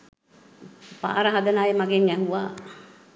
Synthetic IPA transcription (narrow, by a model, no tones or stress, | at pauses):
pa̰ːɾəɦad̪ənaːjemaɡenjæɦuʋaː